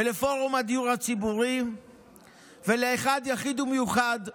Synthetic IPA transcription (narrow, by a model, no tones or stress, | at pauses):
elefo̞ʁumhad̪ijuʁhat͡sibuʁi | ve̞leeχad̪jaχid̪umejuχad̪